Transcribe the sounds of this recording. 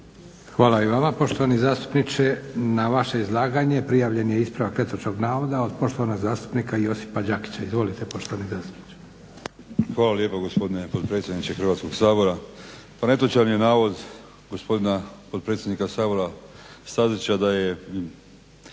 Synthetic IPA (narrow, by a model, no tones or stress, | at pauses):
xʋaːlaiʋamapo̞ʃt̪o̞ʋanizaːst̪u̥pnit͡ʃenaʋaʃe̞izlˠaːɡaɲe̞pɾijaːʋʎe̞najeispɾaʋakɾe̞t̪ot͡ʃoɡnaːʋo̞d̪ao̞d̪po̞ʃt̪o̞ʋanoɡzaːst̪u̥pnikaijo̞si̥pad͡ʑaki̥t͡ɕaizʋo̞lit̪epo̞ʃt̪oanizaːst̪u̥pni̥t͡ʃe̥ | xʋaːlaljepaɡospo̞d̪inepot̪pɾet̪sjed̪nit͡ʃexr̩ʋaːt̪skoɡsaːbo̞ɾa | pane̞t̪ot͡ɕanijenaːʋo̞d̪ | ɡospo̞d̪inapot̪pɾet̪sʲjenikasaːbo̞ɾast̪azit͡ʃad̪aje